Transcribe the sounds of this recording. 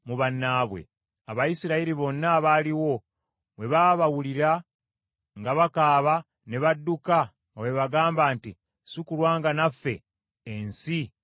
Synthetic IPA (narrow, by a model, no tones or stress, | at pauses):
muβanːaːβwe̞̰ | aβajisiɾaiɾiβo̞nːaːβaːliwo̞ | we̞βaβawuliɾa | ŋɡaβakaːβa | ne̞βadːuka | ŋɡawe̞βaɡaːmbaːnti | sukulwaːŋɡanafːe̞̰ː | nsi